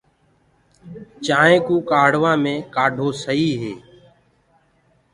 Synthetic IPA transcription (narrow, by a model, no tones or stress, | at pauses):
t͡ʃaːẽːkũːkaːɽ̤ʋãːmẽːkaːɖʱoːsəɦiːɦeː